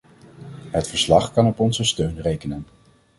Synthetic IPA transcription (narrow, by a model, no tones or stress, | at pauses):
ɦətfəɹslɑχkɑnɔpɔnzəstøɥnrejkənən